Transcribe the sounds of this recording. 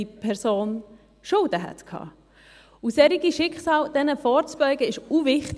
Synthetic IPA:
ipʰɛɾsoːn | ʃʊldəɦɛ̰t̪kʰhɑ̰ː | usɛɾiɡiʃɪkχsɑːld̪̥ɛnəfɔːɾt͡sb̥œʏɡəɪʃuvɪχt

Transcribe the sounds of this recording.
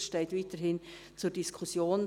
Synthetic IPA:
ʃteɪtviːtəɾɦɪn | t͡suːɾd̥iskʰʊsjoːn

